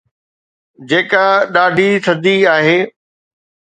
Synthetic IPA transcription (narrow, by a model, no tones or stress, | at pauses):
d͡ʑeːkaɗaːɖʱit̪ʰɐd̪iaːɦeː